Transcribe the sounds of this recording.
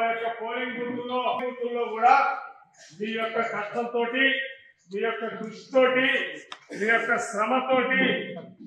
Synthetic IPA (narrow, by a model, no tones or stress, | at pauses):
jɔkːɐpoːliŋkbuːɾt̪ulːoːɐpbuːɾt̪ulːo̞ːɡuːɽaː | ʋiːjɔkːɐkɐʈ̪ʰɐmt̪o̞ːʈi | ʋiːjɔkːɐkɾuʂi̥t̪oːʈiʋiːjɔkːɐʃɾɐmɐt̪o̞ːʈi